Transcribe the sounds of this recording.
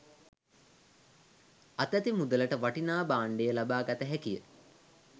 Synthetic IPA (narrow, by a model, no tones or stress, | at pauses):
at̪æt̪imud̪ələʈəʋaʈinaːbaːɳɖejəlabaːɡat̪əɦækijə̰